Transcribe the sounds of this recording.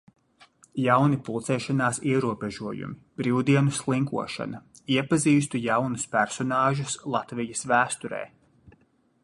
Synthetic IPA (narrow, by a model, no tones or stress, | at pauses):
jawnipulˠt̪sɛːʃanaːsiɛɾuɔbeʒuɔjṵmib̥ɾiwd̪iɛnuslˠiŋkṵɔʃa̰nɐ | iɛpaziːst̪ujawnuspæɾsɔnɑːʒuslˠat̪vijɐsvæːst̪uɾɛ̰ː